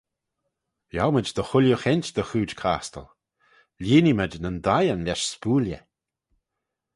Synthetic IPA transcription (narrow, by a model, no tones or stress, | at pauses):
jawməd͡ʒd̪əxʊlʲjuxɛnʲtd̪əxuːd͡ʒkʰa̰ːst̪ə̰l | lʲiːniməd͡ʒnənd̪ajənlʲɛʃspuːljə̰